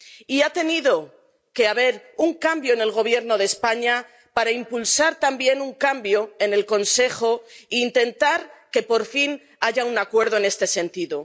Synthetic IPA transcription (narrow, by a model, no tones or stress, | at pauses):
iat̪e̞niðo̞ | ke̞aβe̞ɾuŋkambjo̞ene̞lɣ̞o̞β̞je̞ɾno̞ð̞espaɲa | paɾaimpulsaɾt̪ambje̞nuŋkambjo̞e̞ne̞lko̞nse̞xo̞iːnt̪e̞nt̪aɾke̞po̞ɾfin | aʝaunakwe̞ɾð̞o̞ene̞st̪e̞se̞nt̪iðo